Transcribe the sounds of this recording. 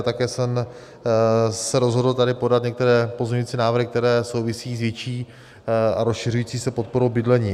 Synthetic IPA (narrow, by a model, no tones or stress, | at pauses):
t̪akɛːsɛm | sɛɾozɦo̞dl̩t̪adɾɪpo̞dat̪ɲɛkt̪ɛɾɛːpo̞zmɲɲuiːt͡siːnaːvɾ̩ɦɪk̚t̪ɛɾɛːso̞wvɪsiːzvjɛt͡ʃiː | aɾosʃɪr̝ujiːt͡siːsɛpo̞t̪̚poɾowbɪdlɛɲiː